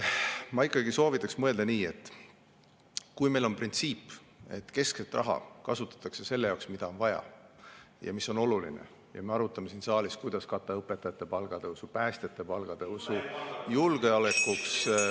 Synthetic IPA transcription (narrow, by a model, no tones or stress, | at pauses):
mɑikːˑɑɡiso̞ːvit̪ːˑɑksmɤe̞ld̪eniːe̞t̪ːˑ | kujme̞jlo̞nprint̪siːpː | e̞̰t̪ːke̞skset̪ːˑrʔɑ̰ɦɑ̰kɑsut̪ːˑɑ̥t̪ːˑɑkse̞se̞lːe̞jɑwksmid̪ɑo̞nvɑjɑ̰ | jɑ̰misːo̞no̞lulḭnḛ | jɑ̰me̞ɑɾut̪ːˑɑme̞siːnsɑːliskujd̪̥ɑskɑt̪ːˑɑɤpːˑet̪ːˑɑjɑt̪ːˑe̞pɑlɡ̥ɑd̪̥eusupæːst̪e̞t̪ːˑe̞pɑlɡ̥ɑd̪̥e̞usujulɡ̥e̞ɑlekːˑuks